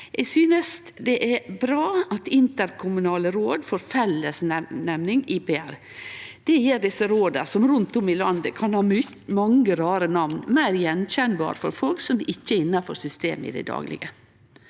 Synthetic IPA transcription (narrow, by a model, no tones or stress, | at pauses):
ʔɛɡsyːnəsd̪ɛʔɛbɾɑːɑt̪ɪnt̪əɾkʰʊmʉnɑːləɾoːd̪foːɾfɛlːəsnɛnɛmnɪŋɪːpeæɾ | d̪̥ɛjeːɾɖɪsːəɾoːd̪əsɔmɾʉnt̪ʊmɪlɑnd̪əkʰɑnhɑːmʏ | mɑŋːəɾɑːɾənɑʋnmæɪɾjɛnçɛnbɑ̰ːɾfɔɾfɔlksɔmɪçːəɪnːɑfɔɾsʏst̪ḛːmɪ̰d̪ɛ̰d̪ɑ̰ːɡlɪ̰ɡə